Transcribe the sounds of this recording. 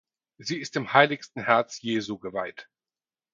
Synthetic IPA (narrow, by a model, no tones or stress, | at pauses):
ziːɪstɪmhaɪlɪçstn̩hɛɐt͡sjeːzuɡəvaɪt